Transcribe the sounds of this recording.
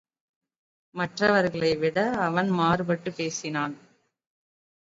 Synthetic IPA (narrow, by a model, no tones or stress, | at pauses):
mɐʈrɐʋɐɾɣɐɭɐɪʋɪɽɐːʋɐnmaːɾɯbɐʈːɯpeːsɪnaːn